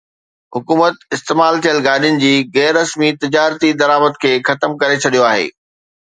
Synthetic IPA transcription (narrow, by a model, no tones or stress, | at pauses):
ɦʊkuːmət̪̚ɪst̪eːmaːlt̪ʰijəlɡaːɗijʊnɪ̆d͡ʑiːɣɛːɾːɐsmit̪ɪd͡ʑaːɾt̪id̪ɐɾaːməd̪kʰeːxɐt̪əmkɐɾet͡ɕʰɐɗijoaːɦḛː